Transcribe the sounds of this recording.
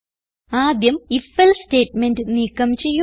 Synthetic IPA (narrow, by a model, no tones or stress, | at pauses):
aːd̪jɐmifelsʈe̞ːʈmenɖɨniːkːɐmt͡ɕe̞jːu